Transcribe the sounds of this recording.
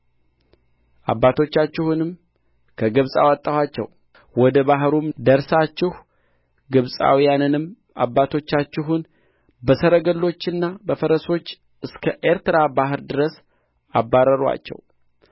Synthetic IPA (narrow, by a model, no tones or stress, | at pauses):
ʔa̰bːat̪ʰo̞t͡ʃːat͡ʃːɪhunɨm | kʰəɡɨβsʼa̰wat̪ʼːəwat͡ʃːɛ̰w | wɔd̪əbaɦɾumd̪əɾsat͡ʃːɪh | ɡɨβsʼa̰wijanɨnɨm | a̰bːat̪ʰo̞t͡ʃːat͡ʃːɪɦun | bəsəɾəɡəlːo̞t͡ʃːɨnːabəfəɾəso̞t͡ʃː | ɨskʰəʔeɾt̪ɨɾabaɦɨɾd̪ɨɾəs | abːaɾəɾwa̰t͡ʃːɛ̰w